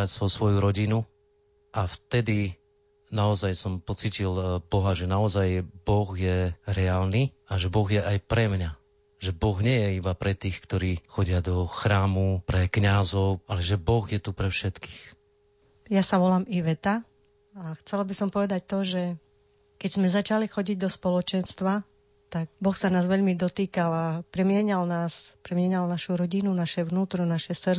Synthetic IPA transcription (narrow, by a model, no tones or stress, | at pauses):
ɾacsɔsʋɔjuɾɔɟinu | ʔaft̪ɛd̪i | naɔzajsɔmpɔt͡siːcilb̥ɔɦaʒɛnaɔzajbɔɣjɛɾɛaːlniː | aʒɛbɔɣjɛʔajpɾɛmɲa | ʒɛbɔɣɲɪɛjɛibapɾɛt̪iːxkt̪ɔɾiːxɔɟɪad̪ɔxɾaːmupɾɛkɲazɔʊalɛʒɛbɔɣjɛt̪upɾɛfʃɛt̪ki̥ːx | jasaʋɔlaːmiʋɛt̪a | axt͡sɛlabisɔmpɔʋɛd̪ac̚t̪ɔʒɛ | kɛɟzmɛzat͡ʃalixɔɟiɟd̪ɔspɔlɔt͡ʃɛnst̪ʋa | t̪aɡ̚bɔxsanaːzʋɛʎmid̪ɔt̪iːkalapɾɛmɪɛɲalnaːspɾɛmɪɛɲalnaʃuɾɔɟinunaʃɛʋnuːt̪ɾɔnaʃɛsr